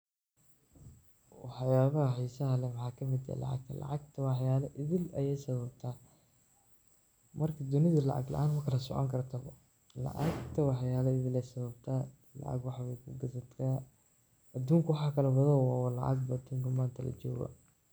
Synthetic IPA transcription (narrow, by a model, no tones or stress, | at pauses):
wɑħjaːβɐɦɐhijsɐɦɐlɛwɑħɑːkʰɐmɪd̪ɛ̰lɑ̰ʕɑ̰ɡ̚t̪ʰɐlɑ̰ʕɑɡ̚t̪ʰɐwɑħjaːlɐʔɪðɪlɐjɛjsɐβɐb̚t̪ʰaː | mɐrkʰɐd̪ʊnɪðɐlɑ̰ʕɑ̰ɡlɑ̰ʔaːnmɐkʰɐlɐsɔ̰ʕɔ̰ŋkʰɐrt̪ʰɐβɔ̰ | lɑ̰ʕɑ̰ɡt̪ʰɐwɑħjaːlɔɪðɪlɛjsɐβɐbt̪ʰaː | lɑ̰ʕɑ̰ɡwɑħwɛjkʰʊɡɐsɐt̪kʰaː | ɐd̪uːŋkʰɐwɑħaːkʰɐlɐbɐðɐwɑːwɐlɑ̰ʕɑ̰ɡ̚bɐd̪uːŋkʰɐmaːnt̪ʰɐlɐ̰t͡ʃɔːɣɐ̰